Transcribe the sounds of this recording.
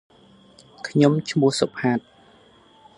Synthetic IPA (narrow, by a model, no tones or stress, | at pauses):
kʰɲomt͡ɕʰmuəhsopʰaːt̪̚